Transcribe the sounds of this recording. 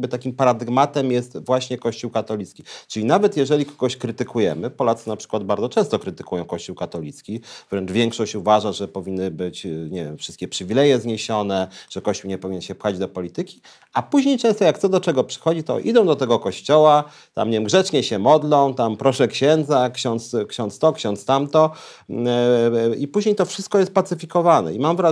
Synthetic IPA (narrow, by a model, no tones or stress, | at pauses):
bɘt̪akʲimpaɾad̪ɘɡmat̪ɛmjɛst̪vwaɕɲɛkɔɕt͡ɕuwkat̪ɔlʲit̪skʲit͡ʂɘlʲinavɛt̪jɛʐɛlʲikɔ̥ɡɔɕkɾɘt̪ɘkʰujɛmɘpɔlat̪sɨnapʂɘ̥kwad̪̚baɾd̪zɔt͡ʂɛ̃st̪ɔkɾɘt̪ɘ̥kujɔ̃kɔɕt͡ɕuwkat̪ɔlʲit̪skʲivɾɛnt͡ʂvʲjɛŋkʂɔɕt͡ɕuvaʐaʐɛpɔvʲinːɘbɘt͡ɕɲɛvʲjɛmfʂɨst̪̚kʲɛpʂɘvʲilɛjɛzɲeɕɔnɛʐ̥ɛkɔɕt͡ɕuwɲɛpɔvʲiɲɛnɕɛpwad͡ʑd̪ɔpɔlʲit̪ɘkʲi̥ | apuʑɲejt͡ʂɛ̃st̪ɔjak̚t̪sɔd̪ɔt͡ʂɛɡɔpʂɘ̥xɔd͡ʑit̪ɔ̰ʔḭd̪ɔ̃w̃d̪ɔt̪ɛɡɔkɔɕt͡ɕɔwa | t̪a̰mɲevʲjɛmɡʐɛt͡ʂɲɛɕɛmɔd̪lɔ̃w̃t̪ampɾɔʂɛkɕɛnd̪zakɕɔnt̪skɕɔ̃nt̪st̪ɔkɕɔ̃nt̪st̪amt̪ɔ | ipuʑɲejt̪ɔfʂɘst̪kɔjɛst̪̚pat̪sɘfʲikɔvanɛ̰imamvɾa